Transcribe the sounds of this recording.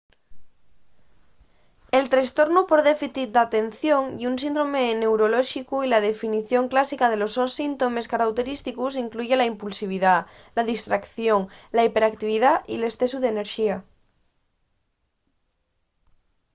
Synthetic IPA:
e̞lt̪ɾast̪o̞ɾnupoɾðefiθit̪̚d̪at̪e̞nθjo̞ŋiunsind̪ɾomene̞wɾoloʃikuilað̞efiniθjo̞ŋklasikað̞e̞losonsint̪o̞me̞skaɾawt̪e̞ɾist̪ikus̬iŋkluʝelaimpulsiβ̞iðalaðist̪ɾakθjoŋlaipe̞ɾak̚t̪iβ̞iðaʔile̞sθesuð̞ene̞ɾʃia

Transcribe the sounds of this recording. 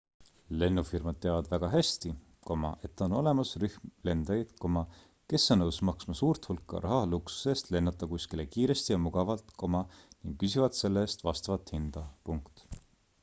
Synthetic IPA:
le̞nːufirmɑd̪̥̚t̪ːeɑvɑd̪væɡ̥ɑɦæst̪i | ko̞mɑ̰ʔe̞t̪ːˑono̞le̞mɑsryhmle̞nd̪̥ɑjd̪̥ko̞mɑ | ke̞sːɑnɤwsmɑksmɑsuːrt̪hulkˑːɑ̰ɾʔɑɦɑluksu̥se̞ːst̪le̞nːɑt̪ːˑɑkuskilekiːɾe̞st̪ijɑmuɡ̥ɑvɑlt̪ˑko̞mɑniŋɡ̥kysivɑd̪̥se̞lːeːst̪vɑst̪ɑvɑt̪hind̪̥ɑpuŋkt̪

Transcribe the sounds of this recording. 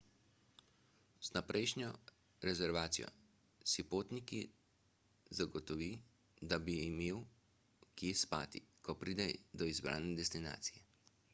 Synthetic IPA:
z̥napɾʔɛjʃnʲjɔ | ɾɛzɛɾʋaːt̪sijɔ̰ | sipoːt̪niki | zaɡɔt̪ɔʋi | d̪abiːmeːw | kespaːt̪ikɔpɾid̪ɛd̪ɔizbɾa̰ːnɛd̪ɛst̪ina̰ːt̪sijɛ

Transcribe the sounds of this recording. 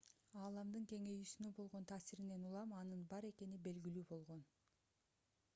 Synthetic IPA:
ɑːlˠɑmd̪ɯŋke̞ŋe̞jysynøbo̞lˠʁo̞nt̪ʰɑːsiɾine̞nulˠɑmɑnɯnbɑɾe̞ke̞nibe̞lɡilyːbo̞lˠʁo̞n

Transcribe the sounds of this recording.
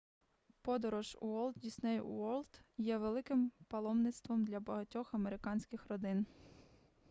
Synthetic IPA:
pɔd̪ɔɾɔʒṵɔlˠd̪dʲisʲnɛjṵɔlʲˠt̪jɛʋelˠɪkɪmpɐlˠɔmnɪt̪st̪ʋɔmd̪lʲɐbɐɦɐtʲɔxɐmeɾɪkɑnʲsʲkɪxrɔd̪ɪn

